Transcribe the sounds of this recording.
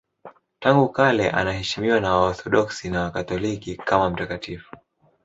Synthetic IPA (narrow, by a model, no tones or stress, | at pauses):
taŋɡukalɛʔa̰nahɛʃimiwanawaɔθɔɗɔksinawakatɔlikikamam̩takatifu̥